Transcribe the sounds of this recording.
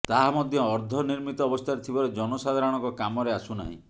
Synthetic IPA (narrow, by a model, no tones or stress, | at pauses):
t̪aɦamɔd̪ʱjɔːɾd̪ʱɔniɾmit̪ɔːbɔst̪ʰaɾet̪ʰibɔɾed͡ʒɔnɔsad̪ʱaɾɔɽ̃ɔŋkɔkamɔɾeasuna̰ɦḭ̃